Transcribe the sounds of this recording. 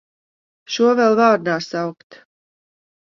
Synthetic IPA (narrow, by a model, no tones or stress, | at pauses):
ʃuɔvɛlˠvaːɾnaːsawkt̪